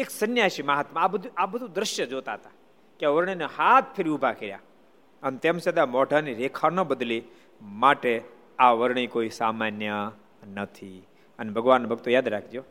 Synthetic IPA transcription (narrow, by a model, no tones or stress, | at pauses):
eksənjaʃimaɦat̪maabəd̪ʱuabəd̪ʱũd̪ɾɪʃjəd͡ʒot̪aɦət̪a | keaʋəɾɳ̃inehat̪̚ʰpʰɪɾiʊbʱakeɾja̰ | ənet̪eːmsed̪amɔɖʱaniɾekʰanəbəd̪li | maʈe | aʋəɾɳ̃ikoːisamanjə | nət̪ʰi | ənebʱəɡʋaːnːbʱəɡ̚t̪ojaːd̪ɾakʰd͡ʒjoː